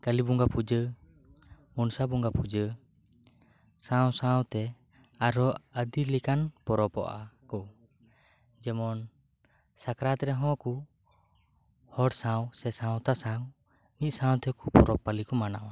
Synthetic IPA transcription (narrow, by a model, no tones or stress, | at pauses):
kəlibuŋɡapud͡ʒə | munsabuŋɡapud͡ʒə | sãwsãwt̪ɛ | aɾɔəd̪ilikanpɔɾɔpɔ̰ʔa̰kɔ | d͡ʒɛmɔn | sakɾat̪ɾɛɦɔ̃ku | hɔɽsawsɛsãwt̪asaw | nit̪̚ˀsãwt̪ɛkupɔɾɔpːalikɔmanawa